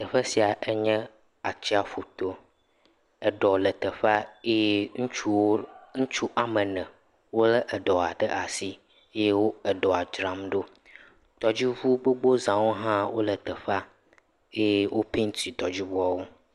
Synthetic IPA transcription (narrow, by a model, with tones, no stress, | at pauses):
t̪ə˨ɸə˦si˨a˨ʔɛ˦ɲɛ̃˦ | a˨t͡ɕi˦a˨fo˨t̪o˦ | ɛ˨ɖɔ˨lə˨t̪ə˨ɸa˦e˦je˦ŋũ˦t͡ʃu˦wo˦ŋ̩̃˦t͡ʃu˦ʔa˨mə˨nɛ̃˨ | wo˦lə˦ʔɛ˨ɖɔ˨a˨ɖə˦ʔa˨si˦ | e˦je˦wo˦ɛ˨ɖɔ˨a˨d͡ʒɾã˨mɖo˦ | t̪ɔ˨d͡ʑi˦vu˦ɡ͡bo˦ɡ͡bo˦zã˨wo˦ɦã˦wo˦lə˨t̪ə˨ɸa˦ | e˦je˦wʔo˦pi˦ŋ̩˦t̪i˨t̪ɔ˨d͡ʑi˦bɔ˦a˨wo˦